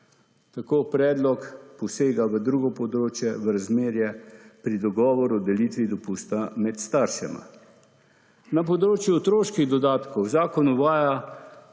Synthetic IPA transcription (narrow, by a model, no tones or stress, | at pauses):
t̪akoːpɾɛːd̪lɔkpɔseːɡaʋəd̪ɾuːɡɔpɔd̪ɾoːt͡ʃjɛʋəɾazmeːɾjɛpɾid̪ɔɡɔːʋɔɾud̪ɛlit̪ʋid̪ɔpuːst̪amɛt̪st̪aɾʃɛ̰ma̰ | napɔd̪ɾoːt͡ʃjuɔt̪ɾoːʃkiɣd̪ɔd̪aːt̪kɔwzaːkɔnuʋaːja